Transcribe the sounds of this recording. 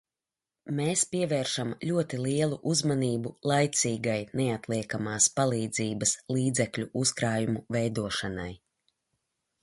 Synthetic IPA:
meːspiɛvɛːɾʃamlʲuɔt̪ilˠiɛlˠuʔuzmaniːbulˠajt̪siːɡajneat̪lˠiɛkamaːspalˠiːd̪ziːbɐslˠiːd̪zɛklʲuʔuskɾaːjumuvɛjd̪uɔʃana̰j

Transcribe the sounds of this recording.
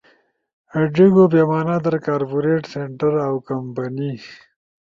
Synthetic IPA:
ɐɖiɡobemaːnad̪əɾkaːɾpuɾeʈseɳʈəɾawkɐmpɐni

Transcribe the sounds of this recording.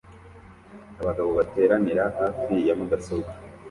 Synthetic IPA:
aβaɡaβo̞βate̞ːɾaniɾahaːfijamuɡasobɡa

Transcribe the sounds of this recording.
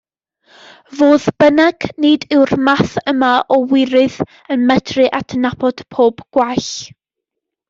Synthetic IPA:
voːðb̥ənaɡ̥nɨdɪwrmaθəmaʔɔwɪɾɨð | ənmɛtʰrɨʔatʰənapʰɔd̥pʰoːbɡ̥waɬ

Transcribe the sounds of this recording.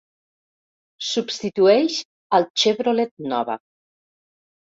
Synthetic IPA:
supst̪it̪uɛʃ | əlˠt͡ʃeβɾolet̪̚nɔ̰βə̰

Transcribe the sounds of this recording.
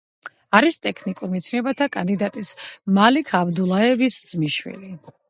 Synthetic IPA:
aɾist̪ʼɛkʰnikʼuɾmit̪sʰnɛbat̪ʰakʼand̪id̪at̪ʼismalikʰabd̪ulˠaɛvisd̪z̥miʃwḭli

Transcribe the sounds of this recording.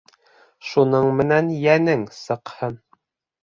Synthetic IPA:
ʃunɤɴmɘ̆nænjænɘŋsɤ̆qhɤn

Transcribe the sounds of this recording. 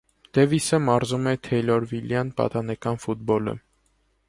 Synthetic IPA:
d̪̥ɛvisəmɑɾzumɛt̪ʰɛjlɔɾviljɑnpɑ̰t̪ɑnɛkɑnfut̪̚bɔlə̰

